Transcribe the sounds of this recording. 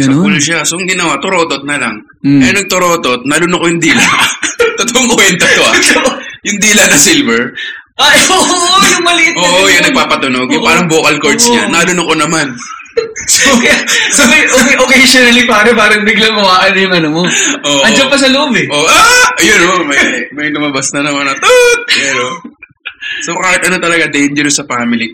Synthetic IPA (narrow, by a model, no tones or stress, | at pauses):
sɐpʊlʃasoŋɡɪnɐwat̪ʊɾoːt̪ot̪̚nɐla̰ŋ | ɛɐnɐɡ̚t̪ʊɾo̞ːt̪ot̪̚nɐlʊnʊkojʊŋd̪iːlɐt̪ot̪oʔoŋkʊɪnt̪ɐt̪oɐjʊŋd̪iːlɐnɐsɪlvɛɹ | ʔaoʔjʊŋmɐlitoːʔojaŋnɐɡ̚paːpɐt̪ʊnoɡjʊpaːɾɐŋboːkɐlkoɹt̪sɲɐnɐlʊnʊkonɐman | sosoɐʔokʔokejʃonɐlipaːɾɐmaːɾɪŋd̪ɪɡlɐŋmɐwaːʔɐnɐjʊŋɐnomoʔoːʔɐnd͡ʒɐpɐs̬ɐloʔobɛʔoːʔaʔɐjʊnːɐmammɐmɐjnʊmɐbɐsnɐnɐmɐnɐt̪ot̪̚pɛɾo | sokaːhɪt̪̚ʔɐno̞t̪ɐlɐɡad̪ɛjnd͡ʒɛɾosɐfaːmɪli